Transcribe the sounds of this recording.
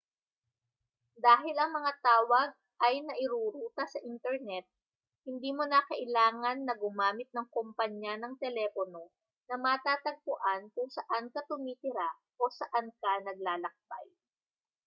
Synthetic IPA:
d̪aːɦɪlɐŋmɐŋat̪aːwɐɡ̚ | ʔɐjnɐʔɪɾuːɾuːt̪ɐsɐʔint̪ɛɾnɛt̪̚ | hɪnd̪iːmonakɐʔɪlaːŋɐnːɐɡʊmaːmɪt̪̚nɐŋkompɐɲjanɐŋt̪ɛlɛpono̞ | nɐmɐt̪aːt̪ɐɡ̚pʊʔankʊŋsɐʔankɐt̪ʊmiːt̪ɪɾa | ʔo̞sɐʔankɐnɐɡ̚laːlɐk̚b̥a̰j

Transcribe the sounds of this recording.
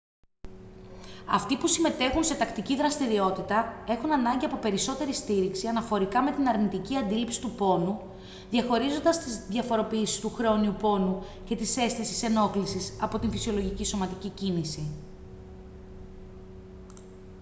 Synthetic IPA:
ɐ̰ft̪ipusime̞t̪e̞xunse̞t̪ɐkt̪iciðɾɐst̪iɾio̞t̪it̪ɐe̞xunɐnɐɲɟiɐpo̞pe̞ɾiso̞t̪e̞ɾist̪iɾiksiɐnɐfo̞ɾikɐme̞t̪inɐɾnit̪iciɐnd̪ilipsi̥t̪upo̞nu | ðʝɐxo̞ɾizo̞nd̪ɐst̪izðʝɐfo̞ɾo̞piisi̥st̪uxɾo̞niupo̞nu | ce̞t̪ise̞sθisi̥se̞no̞klisisɐpo̞t̪infisio̞lo̞ʝiciso̞mɐt̪icicinisi

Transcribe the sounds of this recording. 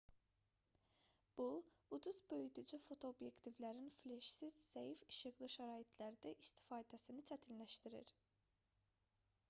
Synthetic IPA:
b̥uud̪uzbø̞jyd̪ud͡ʒyfo̞t̪ʰo̞ːbjekt̪ʰivlʲæɾinflʲeʃsiz̥ːejfiʃɯɣlˠɯʃæɾaːjit̪ʰlʲæɾd̪ɛʔist̪ʰi̥faːd̪æsinit͡ʃʰæt̪ʰinlæʃt̪ʰiɾḭɾ̥

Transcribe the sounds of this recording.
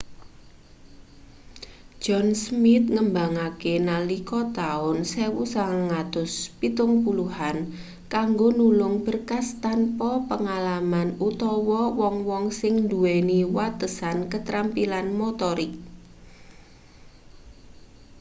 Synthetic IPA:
d͡ʒ̥ɔnsmɪt̪̚ŋəmba̤ŋakenalikɔt̪aʊnsewusaŋaŋat̪ʊspit̪ʊŋpuluhan | kaŋɡonulʊŋb̥ərkast̪anpɔpəŋalamanut̪ɔwɔwɔŋwɔŋsɪŋnd̪uweniwat̪əsankət̪ɾampilanmot̪ɔɾɪk

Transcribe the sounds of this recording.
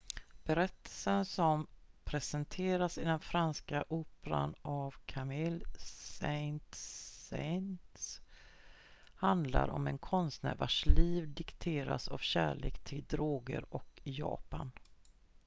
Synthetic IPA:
b̥ɛɾɛt̪ʰːəlsənsɔmpʰɾɛsɛnt̪ʰeːɾasɪd̪ɛnfɾanskaʔoːpəɾa̰navkʰamɪlsɛjnt̪sɛjnt̪ | hand̪la̰ɾɔ̰mɛnkʰɔnst̪næːɾvaʂliːvd̪ɪkt̪ʰeːɾa̰savɕæːɭeːkt̪ʰɪld̪ɾoːɡə̰ɾɔkjɑ̰ːpan

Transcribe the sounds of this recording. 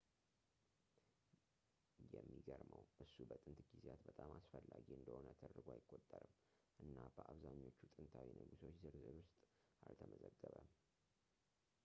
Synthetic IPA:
jɛmːiɡəɾməwʔɨsːubət̪ʼɨnt̪ɡizat̪bət̪ʼamasfəlːaɡiɨnd̪əho̞nət̪ʰəd̪əɡoajɪkʼːo̞t̪ʼːəɾɨm | ʔɨnːab̥əʔaβzaɲːo̞t͡ʃːut̪ʼɨnt̪ʰawinəɡuso̞t͡ʃːzɨɾzɨlwʊst̪ʼ | ʔalt̪ʰəməzəɡːəβə

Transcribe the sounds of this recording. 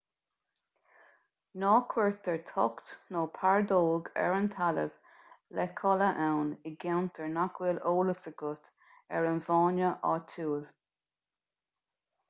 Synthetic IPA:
nɑːkʰwɛɹt̪̚ɛɹt̪ʰɔ̰kt̪noːpʰaɹd̪oːɡɛ̰ɹənt̪ʰalə̰v | lɛkʰɔləʔɛwnɪɡɛwnt̪ʰɛɹnakʰwiːloːləsəɡʊt̪ | ɛ̰ɹənvɑːnəʔɑ̰ːt̪ʰuːl

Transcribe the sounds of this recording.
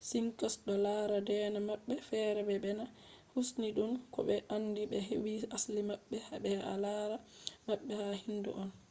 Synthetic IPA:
siŋkasɗɔlaɾadɛːnamaɓːɛfɛɾɛbɛbɛna | husniɗumkɔ̰ɓɛʔanːdibɛɦewiaslimaɓːɛhabɛa̰laːɾamaɓːɛhahindṵʔɔn

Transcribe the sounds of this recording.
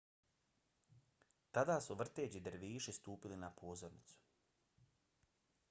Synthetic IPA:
t̪ad̪aːsuʋr̩t̪eːd͡ʑid̪ɾʋiːʃist̪uːpilinapʰoːzoɾnit̪su̥

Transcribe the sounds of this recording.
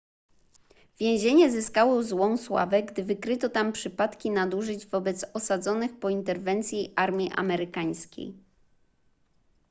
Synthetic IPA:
vʲjɛ̃w̃ʑeɲɛzɘskawɔzwɔ̃w̃swa̰vɛɡd̪ɘvɘkɾɘt̪ɔt̪ampʂɘpat̪kʲinad̪uʐɘd͡ʑvɔbɛt̪sɔsad̪zɔnɘxpɔint̪ɛɾvɛnt̪sʲjiʔaɾmʲiʔa̰mɛɾɘkaj̃skʲḛj

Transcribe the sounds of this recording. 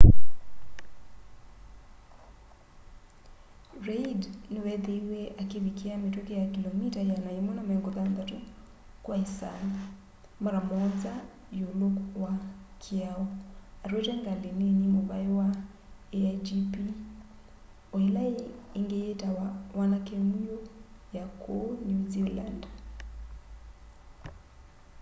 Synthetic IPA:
reidnewɛðeiwɛʔakeβikeametwokejakilomitajanajemɔnamŋɡoðand̪ato | kwaesa̰na | maɾamɔnza | julokwakʰiaɔaɾwetɛŋɡaleneɲemoβaewa | ead͡ʒipi | oelaeːŋɡejetawanakemujojakʰonuziland

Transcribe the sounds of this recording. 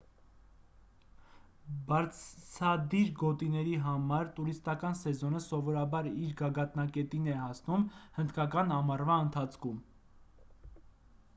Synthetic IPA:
bɑɾt͡sʰt͡sʰɑd̪iɾɡɔt̪inɛɾiɦɑmɑɾt̪uɾist̪ɑkɑnsɛzɔnəsɔvɔɾɑbɑɾiɾɡɑɡɑt̪nɑkɛt̪inɛɦɑsnumhənd̪kɑkɑnɑmɑrvɑənt̪ʰɑt͡sʰkʰum

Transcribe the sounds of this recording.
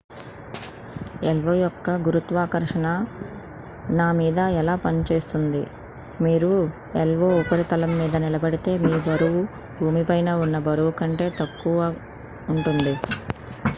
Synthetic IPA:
ɛlʋɐjɔkːɐɡuɾut̪ʋaːkɐɾʂɐɳɐ | naːmiːd̪ɐɛlaːpɐnt͡ʃe̞ːst̪und̪i | miːɾu | ɛlʋoːupɐɾit̪ɐlɐmːiːd̪ɐnilɐbɐɽit̪e̞ːmiːbɐɾuʋu | bʱuːmipɐjnɐːunːɐbɐɾuʋukɐɳʈe̞ːt̪ɐkːuʋɐ | uɳʈund̪i

